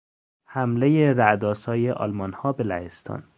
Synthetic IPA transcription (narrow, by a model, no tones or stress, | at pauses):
hæmlejeɾæd̪ɒːsɒːjeʔɒ̰lmɒnhɒːbelæhest̪ʰɒ̰ːn